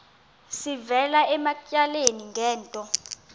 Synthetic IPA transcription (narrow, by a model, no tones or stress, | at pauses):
sivɛlaɛmacʼaleniŋɡʱɛːntʼɔ